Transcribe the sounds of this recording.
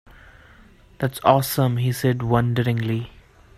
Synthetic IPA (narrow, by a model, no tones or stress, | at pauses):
d̪̥æʈsɔːsə̃mhisɛɖwʌ̃nɖəɾɪ̃ŋli